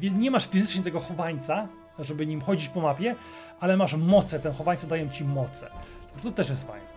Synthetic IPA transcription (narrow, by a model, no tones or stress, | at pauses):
vʲjɛnɲɛmaʂfʲizɘt͡ʂɲɛt̪ɛɡɔxɔvaɲt̪sa | ʐɛbɘɲimxɔd͡ʑit͡ɕpɔmapʲjɛ | alɛmaʂmɔt̪sɛt̪ɛnxɔvaɲt̪sad̪ajɛmt͡ɕimɔt̪sɛ̰ʐt̪ɔt̪ɛʂjɛst̪fa̰jnɛ